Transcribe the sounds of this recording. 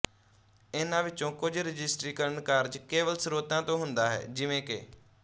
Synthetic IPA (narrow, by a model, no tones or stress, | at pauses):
ɪnãːʋɪt͡ʃõːkʊd͡ʒɾɪd͡ʒɪsʈɾiːkəɾənkaːɾd͡ʒkeːʋəlsɾoːt̪ãːt̪õːɦʊnd̪aːɦɛ̰ːd͡ʒɪʋẽːkḛː